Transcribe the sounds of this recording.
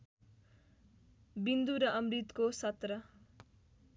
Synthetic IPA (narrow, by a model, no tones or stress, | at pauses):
bind̪uɾʌʔʌmrit̪kosʌt̪rʌ